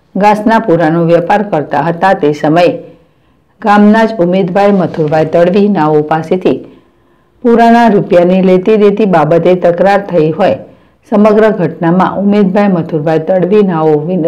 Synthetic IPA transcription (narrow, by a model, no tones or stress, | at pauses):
ɡãsnapuɾanoʋjəpaɾkəɾt̪aɦət̪at̪esəməje | ɡamnad͡ʒumed̪bʱajmət̪ʰuɾbʱajt̪əɽʋinaʋopaset̪ʰi | puɾanaɾupjanilet̪id̪et̪ibabət̪et̪əkɾaɾt̪ʰəiɦoj | səməɡɾəɡʱəʈnamã̰ʔʊmed̪bʱajmət̪ʰuɾbʱajt̪əɽʋinaʋoʋi